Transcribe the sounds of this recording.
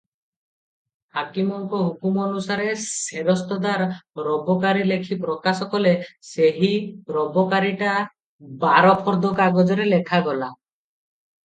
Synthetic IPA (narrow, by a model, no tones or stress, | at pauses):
hakimɔŋkɔɦukumɔnusaɾeseɾɔst̪ɔd̪aɾɾɔbɔkaɾilekʰipɾɔkasɔkɔleseɦiɾɔbɔkaɾiʈa | baɾɔpʰɔɾd̪ɔkaɡɔd͡ʒɔɾelekʰaɡɔla